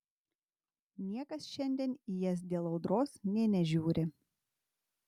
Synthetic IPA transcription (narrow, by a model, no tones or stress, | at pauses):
nʲiɛkɐsʃʲɛnʲd̪ʲiɛnijɛs̬d̪ʲeːlˠɐʊd̪ɾoːsnʲɛnʲɛʒʲuːɾʲɪ